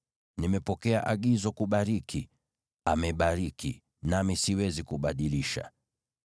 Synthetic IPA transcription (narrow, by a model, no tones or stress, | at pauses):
nimɛpɔkɛaʔaɠizɔkuɓaɾiki | amɛɓaɾiki | namisiwɛzikuɓaɗiliʃa̰